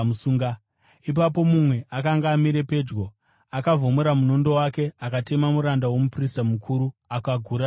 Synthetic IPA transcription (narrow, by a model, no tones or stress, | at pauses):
usuːŋɡa | ip̬ap̬o̞mumwe̞ʔakaŋɡaːmiɾe̞pe̞ːd͡ʒɡo̞ | akavo̞muɾamuno̞ndo̞wake̞akate̞mamuɾandawo̞mupristamukʰuɾuakaɡʱuɾa